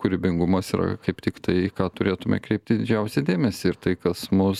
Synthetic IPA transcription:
kʊɾʲɪbʲɪŋɡʊmɐsiɾɐ̰kɐɪpt̪ʲɪkt̪ɐɪkɑːt̪ʊɾʲeːt̪ʊmʲɛ̰kɾʲɛɪp̚ʲt̪ʲɪd̪ʲɪd͡ʒʲɛʊsʲɛd̪ʲeːmʲɛsʲɪɪt̪ɐɪkɐsmʊs

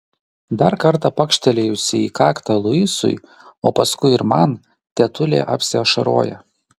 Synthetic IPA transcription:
d̪ɐɾkɐɾt̪ɑpɐkʃʲt̪ʲɛlʲejʊsʲɪiːkɑːkt̪ɐlˠʊɪsʊ̰j | oːpɐskʊɪɪɾmɐn | t̪ʲɛt̪ʊlʲḛːʔɐ̰pʲsʲɪɐʃɐɾo̰ːjɛ̰

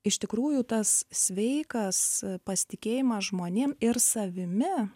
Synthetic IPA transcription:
ɪʃt̪ʲɪkɾuːjuːt̪ɐssʲʋʲɛɪkɐspɐsʲɪ̥t̪ʲɪkʲeːjɪmɐsʒmoːnʲeːmɪɾsɐʋʲɪmʲɪ

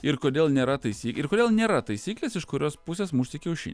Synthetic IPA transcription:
ɪɾkoːd̪ʲeːlˠnʲeːɾɐt̪ɐɪsʲiːkɪɾkoːd̪ʲeːlˠnʲeːɾɐt̪ɐɪsʲiːklʲeːsɪʃkʊɾʲoːspʊsʲeːsmʊʃʲsʲɪkʲɛʊʃʲḭnʲ

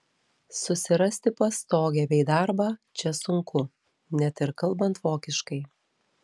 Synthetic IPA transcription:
sʊsʲɪɾɐsʲt̪ʲɪpɐst̪oːɡʲɛbʲɛɪd̪ɑˑɾbɑːt͡ʃʲɛsʊŋkʊ | nʲɛt̪ɪɾkɐlˠˑbɐnt̪ʋoːkʲɪʃkɐɪ

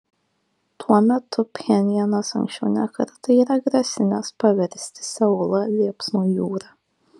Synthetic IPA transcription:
t̪ʰuɔmʲɛt̪ʰʊpʲxʲɛnʲɪjɛnosɐ̰ŋkʃʲt͡ʃʲɛʊnʲɛkɐ̰ɾt̪ɐiːɾɐɡɾɐsʲɪnʲɛspɐʋʲɛɾʲsʲt̪ʲɪ̥sʲɛʊlˠɐlʲiɛpsnuːjuːɾɑː

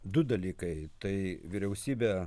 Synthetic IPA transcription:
d̪ʊd̪ɐlʲiːkɐɪt̪ɐɪʋʲɪɾʲɛʊsʲiːbʲɛː

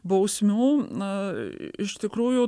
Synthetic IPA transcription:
bɐʊsʲmʲuː | ɪʃt̪ʲɪkɾuːjʊ

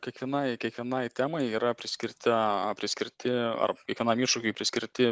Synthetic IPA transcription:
kʲɛkʋʲiɛnɐɪkʲiɛkʋʲiɛnɐɪt̪ʲæːmɐɪiːɾɐpʲɾʲɪsʲkʲɪɾʲt̪ʲɪpʲɾʲɪsʲkʲɪɾʲt̪ʲɪɐ̰rkʲiɛkʋʲiɛnɑmiʃʊkʲʊɪpʲɾʲɪskʲɪɾʲt̪ʲɪ

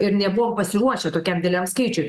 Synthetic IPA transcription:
ɪɾnʲɛbʊʋoːmpɐsʲɪɾuɔʃʲɛt̪oːkʲɛmdʲɪlʲɛmskɐɪt͡ʃʲʊɪ

